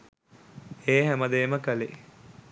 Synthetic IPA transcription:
eːɦæməd̪eːməkəlḛ

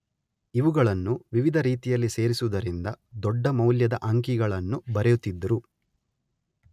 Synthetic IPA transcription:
iʋuɡɐɭɐnːuʋiʋid̪ʱɐɾiːt̪ijɐlːise̞ːɾisuʋd̪ɐɾind̪ɐd̪ɔɖːɐmɐwljɐd̪ɐʔɐŋk̬iɡɐɭɐnːubɐɾɛjut̪ːid̪ːɐɾu

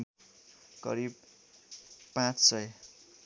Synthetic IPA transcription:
kʌ̰ɾib̚ | pãt͡ssʌj

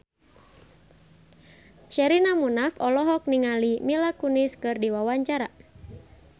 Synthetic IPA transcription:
ʃɛɾinamunafɔlɔɦɔk̚niŋalimilakuniskɨrdiwawaɲt͡ʃaɾa

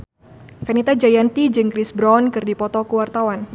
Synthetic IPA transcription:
fɛnit̪ad͡ʒajant̪id͡ʒɨŋkɾisbɾawnkɨrdipɔt̪ɔkuwart̪awan

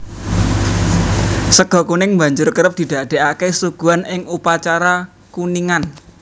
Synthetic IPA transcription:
səɡ̥ɔ̤kunɪŋmba̤ɲd͡ʒʊrkəɾəp̚d̪̥i̤d̪̥a̤d̪̥e̤ʔakesuɡ̥ṳanɪŋupat͡ʃaɾa | kuniŋan

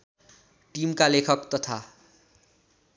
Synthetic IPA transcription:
ʈimkalekʰʌkt̪ʌt̪ʰa

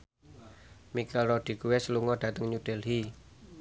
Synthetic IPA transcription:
mikɛlrɔd̥i̤kuwɛsəluŋɔɖ̥ä̤t̪əŋɲuɖ̥ɛ̤lɦi

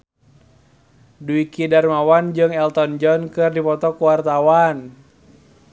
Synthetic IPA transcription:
duikidarmawand͡ʒɨŋɛlt̪ɔnd͡ʒɔnkɨrdipɔt̪ɔkuwart̪awan

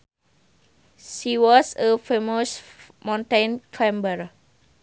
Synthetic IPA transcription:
ʃiwɔsəfemos | mãnt̪ãnkʰɛ̃mbər

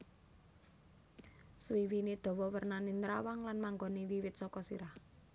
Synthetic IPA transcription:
swiwined̪̥ɔ̤wɔwərnanenɾawaŋlanmaŋɡɔniwiwɪt̪̚sɔkɔsiɾah

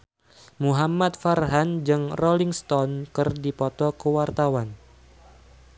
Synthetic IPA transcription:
muɦamat̪̚farɦand͡ʒɨŋrɔliŋst̪ɔnkɨrdipɔt̪ɔkəwart̪awan

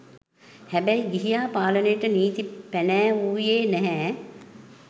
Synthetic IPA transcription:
hæbɛiɡiɦijaːpaːlənəjəʈəniːt̪ipænæːuːjeːnɛɦɛː

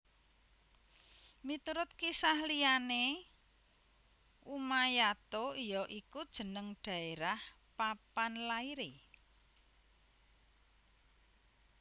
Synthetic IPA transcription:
mit̪uɾʊt̪̚kisahliane | umajat̪oijɔʔikud̥ʒ̥ə̤nəŋɖ̥ä̤eɾah | papanlaiɾi

